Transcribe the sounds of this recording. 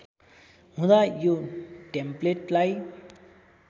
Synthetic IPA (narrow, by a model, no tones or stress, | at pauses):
ɦũd̪ajoʈempleʈlaj